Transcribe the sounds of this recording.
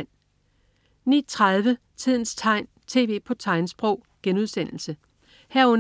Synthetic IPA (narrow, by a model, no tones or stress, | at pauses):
n̰ | nḭːt͡sʰʁɑð̞ˠʋə | t͡sʰið̞̰ˠn̩st͡sʰɑ̈ɪ̰n | t͡sʰe̝̰ːʋe̝̰ːpʰɒ̽t͡sʰɑ̈ɪnsb̥ʁɔʊ | ɡ̥enuð̞ˠsen̰l̩sə | hæɐ̰ɔ̽n